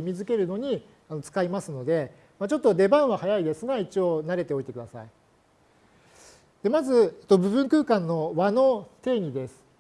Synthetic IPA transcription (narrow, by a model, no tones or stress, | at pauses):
imʲizɨke̞ɾɯ̟no̞ɲ̟i | ano̞t͡sɨ̥kaimasɨno̞d̪e̞ | mat͡ɕo̞t̪ːo̞d̪e̞bãɰ̃βahajaid̪e̞sɨɡait͡ɕio̞ːnaɾe̞t̪e̞o̞it̪ekɯ̟d̪asa̰i | d̪̥e̞mazɨet̪ːo̞bɯ̟βɯ̟̃ŋkɯ̟ːkãnːo̞βano̞t̪e̞ːɲ̟id̪e̞sɨ̥